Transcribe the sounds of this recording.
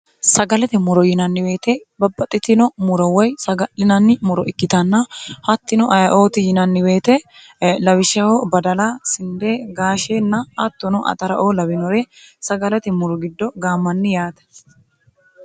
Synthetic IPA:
sɐɡɐlɛt̪ɛmʊɾɔjɪnɐnːɪwe̞ːt̪ɛbɐbːɐt̪ʼːɪt̪ːɪnɔmʊɾɐwɔjsɐɡɐʔɪnɐnːɪmʊɾɔʔɪkːɪt̪ɐnːɐhɐt̪ːɪnɔʔɐjɐʔoːt̪ɪjɪnɐnːɪwe̞ːt̪ɛ | lɐwɪʃɐhɔbɐd̪ɐlasɪnd̪eːɡaːʃeːnːɐɐt̪ːɔnɔʔɐ̰t̪ɐɾɐʔoːlɐbɪnɔɾɛsɐɡɐlɛt̪ɛmʊɾɔɡɪd̪ːɔɡaːmːɐnːɪjaːt̪ɛ̥

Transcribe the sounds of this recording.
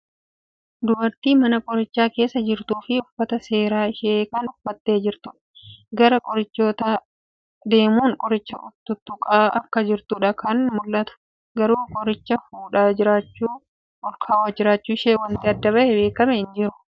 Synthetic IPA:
d̪ʊbɐɾt̪iːmɐnɐkʼɔɾɪt͡ʃːaːke̞ːsːɐd͡ʒɪɾt̪uːfɪʊfːɐt̪ɐse̞ːɾaːɪʃeːkɐnʊfːɐt̪ːe̞ːd͡ʒɪɾt̪ʊᶑɐ̥ɡɐɾɐkʼɔɾɪt͡ʃːo̞ːt̪a | d̪e̞ːmuːŋkʼɔɾɪt͡ʃːɐ̰ʔʊt̪ːʊt̪ːʊkʼaːɐkːɐd͡ʒɪɾt̪ʊᶑɐkʰɐnmʊlːɐt̪ʊ̥ | ɡɐɾuːkʼɔɾɪt͡ʃːɐfuːᶑaːd͡ʒɪɾaːt͡ʃːuː | ɔlkʰaːwaːd͡ʒɪɾaːt͡ʃːuːɪʃeːwɐnt̪ɪɐd̪ːɐβɐʔɛbe̞ːkɐmɛɪnd͡ʒɪɾʊ̥

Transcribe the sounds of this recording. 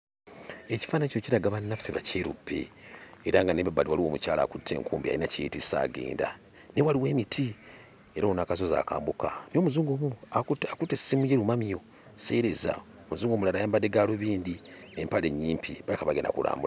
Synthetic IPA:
eci̥faːnacociɾaɡaβanːafːeβaceɾṵpʰːḛːɾaŋɡaneβbaβaliwaliwo̞ːmucaːla̰kutʰːe̞̰ːŋkuːmbia̰inacetisa̰ɡḛːnda̰ | newaliwe̞ːmitʰi | eɾaonakaz̬oza̰kaːmbukano̞muzuːŋɡomuakutːesimujeɾumamijo̞ | sḛɾe̞za̰ | omuzuːŋɡomulalajaːmbadeɡaloβiːndineːmpale̞ɲːiːmpʰiβajikaβaɡena̰kula̰ːmbula

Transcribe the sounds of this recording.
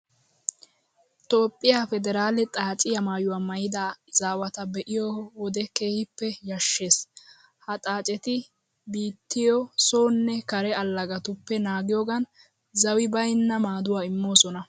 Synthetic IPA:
t̪ʼo̞ːpʼːɪjaːfɛd̪ɛɾaːlɛt̪ʼaːt͡ʃʼɪjɐmaːjʊwaːmɐjɪd̪aːzaːwɐt̪ɐbɛʔɪjɔwɔd̪ɛke̞ːhɪpːɛjɐʃːe̞ːs | hɐt̪ʼaːt͡ʃʼɛt̪ɪ | biːt̪ːɪjɔsoːnːɛkɐɾɛɐlːɐɡɐt̪ʊpːɛnaːɡɪjoɡɐn | zɐwɪbɐjnːɐmaːd̪ʊwaːɪmːo̞ːsɔnɐ

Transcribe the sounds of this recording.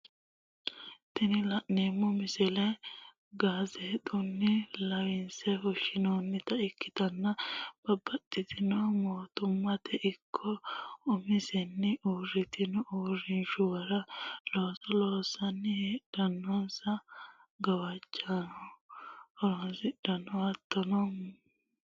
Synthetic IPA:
t̪ɪnɪlɐʔnemːɔmɪsɛlɛ | ɡaːzɛt̪ʼʊnːɪlɐwɪnsɛhɔʃɪnoːnːɪt̪ɐɪkːɪt̪ɐnːɐb̥ɐbːɐt̪ʼːɪt̪ɪnɔmoːt̪ʊmːɐt̪ɛʔɪkʰːɔʊmɪsɛnːɪʔuːrɪt̪ɪnɔuːrɪnʃʊwɐɾɐloːsɐloːsɐnːɪhed̥ɐnːɔnsɐɡɐwɐt͡ʃʼːanɔ | ɔɾonsɪd̥ɐnːɔɐt̪ʰːɔnɔm

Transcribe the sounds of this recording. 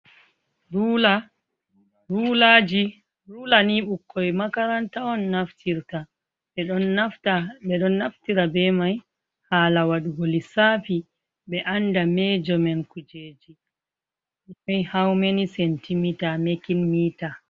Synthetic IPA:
ɾula | ɾulad͡ʒi | ɾulaniɓukʰːɔjmakaɾantaɔnːaftʰiɾta | ɓɛɗɔnataɓɛɗɔnːaftiɾabɛmaj | haːlawaɗuɡolisafi | ɓɛʔandamɛd͡ʒɔmɛnkud͡ʒeːd͡ʒi | ɔjhawmenisɛntimitamekinmiːta

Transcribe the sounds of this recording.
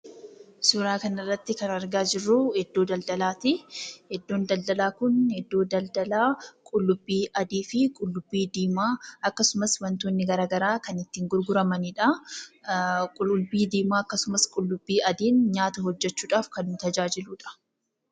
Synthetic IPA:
sʊɾaːkɐnɪrːɐt̪ːɪkɐnɐɾɡaːd͡ʒɪrːuhɛd̪ːo̞ːd̪ɐld̪ɐlaːt̪ɪhɛd̪ːo̞ːnd̪ɐld̪ɐlaːkʊnhɛd̪ːo̞ːd̪ɐld̪ɐlaːkʼʊlːʊbːiːʔɐd̪iːfɪkʼʊlːʊbːiːd̪iːmaːɐkːɐsʊmɐswɐnt̪onːɪɡɐɾaːɡɐɾaːkɐnɪt̪ːiːŋɡʊɾɡʊɾɐmɐniːᶑɐ | kʼʊlʊlbiːd̪iːmaːɐkːɐsʊmɐskʼʊlːʊbːiːʔɐd̪iːnɲaːt̪ɐhɔd͡ʒːɛt͡ʃːuːᶑaːfkɐnːʊt̪ɐd͡ʒaːd͡ʒɪluːᶑɐ̥

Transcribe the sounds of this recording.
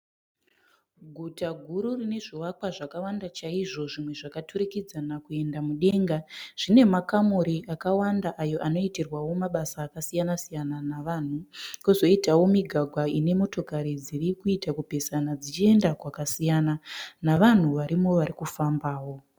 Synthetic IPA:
ɡʱutaɡʱuɾurine̞ʐiwakwaʐakawandat͡ʃaiʐo̞ʐimwe̞ʐakatuɾikid͡zanakue̞ndamuɗe̞ŋɡaʐ̥ine̞makamuɾiʔakawandaʔajo̞ʔano̞itirwawo̞maɓasaːkasijanasijananaʋaːn̤ukozo̞itawo̞miɡʱaɡʱwaine̞mo̞to̞kaɾid͡ziɾikuitakupe̞sanad͡zit͡ʃie̞ndakwakasijananaʋan̤uʋaɾimo̞ʋaɾikufambaːwo̞

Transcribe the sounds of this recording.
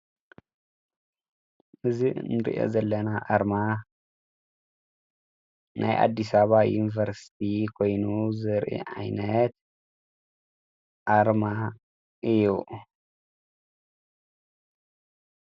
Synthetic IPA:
ʔɨzinɨɾḭʔo̰zɐlːɐnaʔaɾma | nʔa̰jʔa̰d̪ːisaβajunivɐɾsi̥t̪ʰikʰojnuzɨɾʔḭʕa̰jnɐt̪̚ | ʔaɾma | ʔɨju

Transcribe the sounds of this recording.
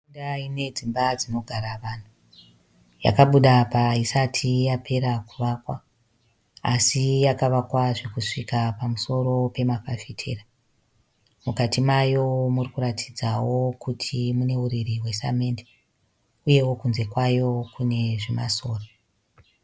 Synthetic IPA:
undaine̞d͡zimbad͡zino̞ɡʱaɾaʋaːn̤u | ja̰kaɓuɗapaisatʰijapʰe̞ɾakuʋakwa | a̰sijakaʋakwaʐe̞kuʂikapamuso̞ɾo̞pe̞makafetʰḛːra | mukatimajo̞murikuɾatʰid͡zawo̞kutʰimune̞uɾiriwe̞sa̰me̞nde | uje̞wokunze̞kwajo̞kune̞ʐema̰so̞ːro

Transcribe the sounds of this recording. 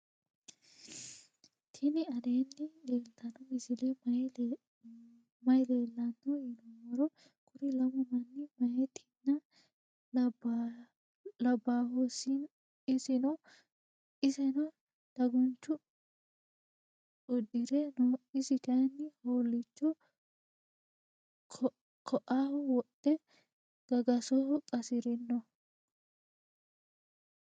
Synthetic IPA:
t̪ʰɪnɪɐd̪eːnːɪleːlt̪ɐnɔɪsɪlemɐ | mɐjleːlːɐnːɔinɔmɐɾɔ | kʰʊɾɪlɐmɔmɐnːɪmɐjɛt̪ʰɪnːɐ | b | lɐbːaːɦosin | ɪsɪnɔ | ɪsɛnɔ | d̪̥ɐɡʊnt͡ʃːʊ | ɔd̪ɪɾɛnɔɪsɪt̪ɐnːɪhoːlːɪt͡ʃːɔ | kʰɔʔaːhʊwɔtːɛ | ɡ̥ɐɡɐsɔkʼɐsɪɾɛnːɔ

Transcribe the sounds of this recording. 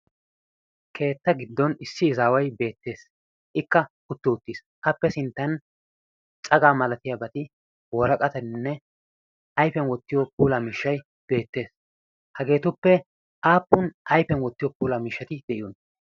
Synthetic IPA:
kʰe̞ːt̪ːɐɡɪd̪ːɔnɪsːɪːzaːwɐjbe̞ːt̪ːe̞ːs | ʔɪkːɐ | ʊt̪ːʊʊt̪ːiːs | ɐpːɛsɪnt̪ːɐn | t͡sʼɐɡaːmɐlɐt̪ɪjabɐt̪ɪ | wɔɾɐkʼɐt̪ɐnnːɛ | ʔɐjfɛnwɔt̪ːɪjɔpuːlamiʃːɐj | b̥e̞ːt̪ːe̞ːs | hɐɡe̞ːt̪ʊpːɛ | ʔaːpːʊnʔɐjfɛnwɔt̪ːɪjɔpuːlɐmiʃːɐt̪ɪd̪ɛʔɪjɔn

